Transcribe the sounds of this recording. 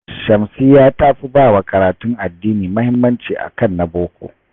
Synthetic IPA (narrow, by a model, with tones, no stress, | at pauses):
ʃɐ˨msiː˦jaː˦tʼaː˦ɸi˦baː˦˨wa˨kʼɐ˨ɾaː˨tʊ˦ŋʔa˨dːiː˦niː˨mɐ˦hɪ˦mːɐ˦nt͡ʃiː˨ʔa̰˨kɐ˦˨nːa˨boː˦kʷo̰ː˨ʔ